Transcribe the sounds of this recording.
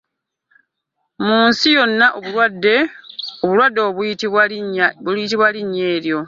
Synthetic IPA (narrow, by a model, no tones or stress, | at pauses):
muːnsijo̞nːaʔoβuwdːeoβulwadːeo | ljitiβwaliɲːe̞ːɾjo̞